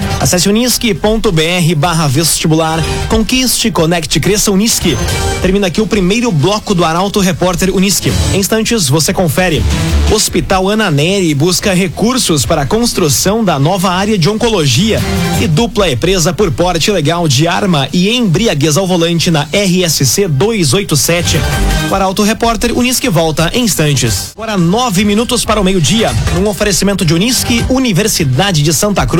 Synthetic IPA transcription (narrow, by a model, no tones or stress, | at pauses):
a̰sɛsɪuniskɪpõnt̪ʊbeɛɦɪbaɦɐvest͡ʃibulaɾkõkist͡ʃɪkonɛkt͡ʃɪkɾesɐuniskɪt̪eɾmĩnɐakiʊpɾimejɾʊblɔkʊd̪ʊaɾawt̪ʊɦepɔɾt̪eɾuniskɪ̰ẽj̃s̬t̪ɐ̃nt͡ʃɪzvosekõfɛɾɪospit̪awɐ̃nɐnɛɾɪbuskɐɦekuɾsʊspaɾɐkõst̪ɾusɐ̃w̃d̪ɐnɔvɐaɾjɐd͡ʒɪõkoloʒiɐɪd̪uplɐẽpɾezɐpoɾpɔɾt͡ʃɪleɡawd͡ʒɪaɾmɐʔɪẽj̃bɾiaɡezawvolɐ̃nt͡ʃɪnɐʔɛɦɪɛsɪsed̪ojzojt̪ʊsɛt͡ʃɪpaɾawt̪ʊɦepɔɾt̪eɾṵniskɪvɔwt̪ɐʔẽĩst̪ɐ̃nt͡ʃɪsɡɔɾɐnɔvɪminut̪ʊspaɾɐʊmejʊd͡ʒiɐũofeɾesimẽnt̪ʊd͡ʒɪuniskɪuniveɾsid̪ad͡ʒɪd͡ʒɪsɐ̃nt̪ɐkɾu